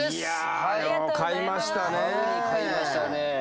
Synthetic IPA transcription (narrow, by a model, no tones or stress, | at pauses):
ja | okaimaɕi̥t̪ane | kaimaɕt̪ane